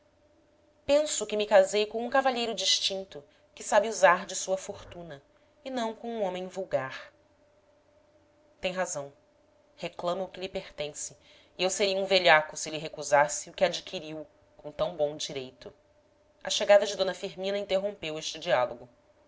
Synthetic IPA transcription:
pẽsʊkɪmɪkazejkõw̃ũkavaʎejɾʊd͡ʒiʃt͡ʃĩnt̪ʊ | kɪsabɪuzaɾd͡ʒɪsuɐfoɾt̪ũnɐ | ɪnɐ̃w̃kõũõmẽj̃vuwɡaɾ | t̪ẽj̃ɦazɐ̃w̃ | heklɐ̃mɐːkɪʎɪpeɾt̪ẽsɪ̥ː | ewseɾiɐũveʎakʊsɪlɪɦekuzasɪʊkɪad͡ʒikʰiɾiw | kõt̪ɐ̃w̃bõw̃d͡ʒiɾejt̪ʊ | ɐ̰ʃeɡad̪ɐd͡ʒɪd̪õnɐfiɾmĩnɐĩnt̪eɦõpeweʃt͡ʃɪd͡ʒialoɡʊ

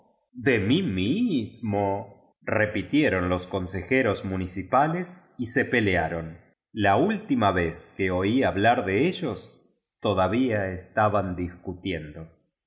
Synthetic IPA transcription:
ðemimizmo | repit̪je̞ɾo̞nlo̞sko̞nse̞xeɾo̞zmunisipalesise̞pe̞leaɾo̞n | lault̪imaβe̞skeo̞iaβlaɾðeeʒos | t̪o̞ðaβiaest̪aβand̪iskut̪je̞nd̪o̞

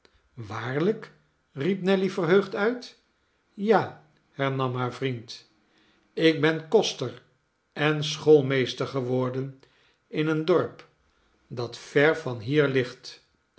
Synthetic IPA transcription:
ʋaːɹlək | ripnɛlivərɦøɥχtœɥt | jaː | hɛɹnɑmɦaːɹvrint | ɪk̚bɛnkɔstər | ɛnsχolˠmejstəɹχəʋɔɹdən | ɪnəndɔɹp | dɑtfɛɹvɑnɦiːɹlɪχt

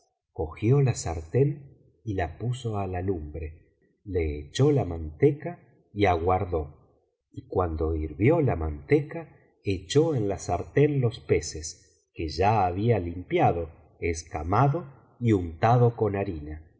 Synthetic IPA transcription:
ko̞xjo̞lasaɾt̪e̞n | ilapuso̞alalumbɾe̞ | le̞ːt͡ʃo̞lamant̪eka | iaɣwaɾðo | ikwand̪o̞iɾβjolamant̪eka | et͡ʃoenlasaɾt̪enlo̞spe̞ses | ke̞ʒaːβialimpjaðo̞ | eskamaðo̞ | iunt̪aðoko̞naɾina

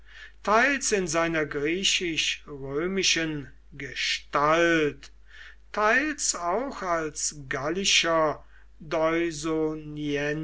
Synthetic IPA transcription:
tʰaɪlsɪnzaɪnɐɡʁiːʃɪʃʁøːmɪʃən | ɡəʃtalt | tʰːaɪlsaʊxalsɡalɪʃɐ | dɔʏzoniɛn

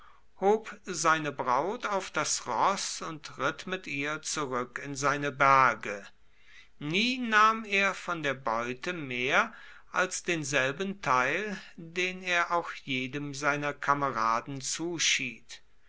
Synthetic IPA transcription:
hoːpzaɪnəbʁaʊtaʊfd̥asʁɔsʊntʁɪtmɪtʔiːɐt͡suʁʏkɪnzaɪnəbæɐɡə | niːnaːmeːɐfɔndeːɐbɔʏtəmeːɐ | ʔalsd̥eːnzɛlbən̩tʰaɪldeːneːɐʔaʊxjeːdəmzaɪnɐkʰaməʁaːdn̩t͡suːʃiːt

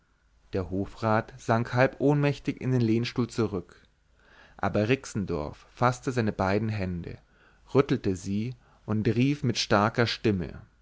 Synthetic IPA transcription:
d̥eːɐhoːfʁaːtz̥aŋkhalpʔoːnmɛçtɪçɪ̰ndeːnleːnʃtuːlt͡suʁʏk | ʔa̰ːbɐʁɪksn̩dɔ̰ɐfːastəzaɪnəbaɪdn̩ɦɛndə̰ | ʁʏtl̩təziː | ʔʊntʁiːfmɪtʃtaɐkɐʃtɪmə̰

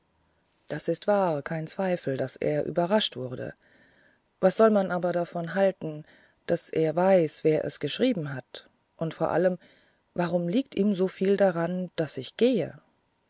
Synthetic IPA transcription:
d̥asɪstv̥aːɐkʰaɪnt͡sv̥aɪfl̩dasʔḛːɐʔy̰ːbɐʁaʃtv̥ʊɐdə̰ | vasz̥ɔlmanʔaːbɐdafɔnɦaltn̩ | d̥asʔeːɐvaɪsv̥eːɐʔɛ̰sɡ̥əʃʁ̥iːbm̩ɦat | ʔʊntfoːɐʔa̰ləm | vaʁ̞ʊmliːk̚tʔiːmzoːfiːldaʁand̥asɪçɡ̥eːə̰

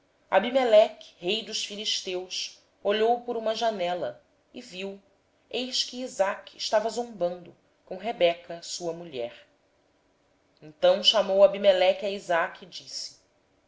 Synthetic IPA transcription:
abimelɛkhejd̪ʊʃfiliʃt̪ews | oʎowpʊɾũmɐʒanɛlɐ | ɪviw | ejʃkɪːzakɪʃt̪avɐzõmbɐ̃nd̪ʊ | kõɦebɛkɐsuɐmuʎɛ̰ɾ | ẽnt̪ɐ̃w̃ʃamowabimelɛkaizakid͡ʒisɪ̥

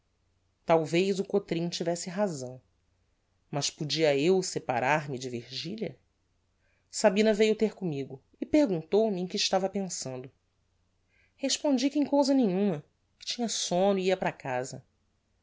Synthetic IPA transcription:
t̪awvejzʊkot̪ɾĩt͡ʃivɛsɪɦazɐ̃w̃ | mɐʃpud͡ʒiɐewsepa̰ɾʔaɾmɪd͡ʒɪviɾʒiʎʲɐ | sabĩnɐvejʊt̪eɾkõmiɡʊ | ɪpeɾɡũnt̪owmɪẽj̃kɪʃt̪avɐpẽsɐ̃nd̪ʊ | heʃpõnd͡ʒikẽj̃kowzɐnẽɲũmɐ | kɪ̥t͡ʃĩɲɐsõnʊiiɐpɾakazɐ

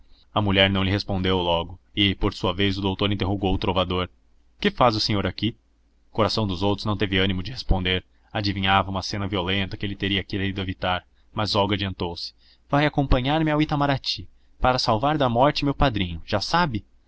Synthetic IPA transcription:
ɐmuʎɛɾnɐ̃w̃lɪɦespõnd̪ewlɔɡʊɪpoɾsuɐvejzʊd̪owt̪oɾĩnt̪eɦoɡowʊt̪ɾovad̪oɾ | kɪfazʊsẽɲoɾaki | koɾasɐ̃w̃d̪ʊzowt̪ɾʊznɐ̃w̃t̪evɪɐ̃nimʊd͡ʒɪhespõnd̪eɾ | ad͡ʒivĩɲavɐũmɐsẽnɐviolẽnt̪ɐkɪelɪt̪eɾiɐkiɾaid̪ʊevit̪aɾ | mɐzɔɡad͡ʒiɐ̃nt̪owsɪ̥ | vajakõmpɐ̃ɲaɾmɪawit̪amaɾat͡ʃi | paɾɐsawvaɾd̪ɐmɔɾt͡ʃɪmewpad̪ɾĩɲʊʒ̥asabɪ

